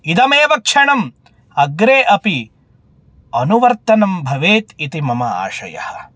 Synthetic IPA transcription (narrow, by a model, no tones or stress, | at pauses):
id̪ɐmeːʋɐkʂɐɳɐm | ɐɡɾeːʔɐpi | ɐnuʋɐɾt̪ɐnɐmbʱɐʋeːt̪it̪imɐmɐa̰ːʃɐ̰jɐ̰hɐ̰